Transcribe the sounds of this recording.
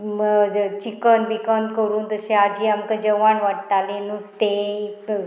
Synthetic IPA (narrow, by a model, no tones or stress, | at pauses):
mət͡ɕikənʋikənkəɾuːnt̪əɕẽad͡ʑiamkəd͡ʑəʋaɳʋaʈt̪alenust̪e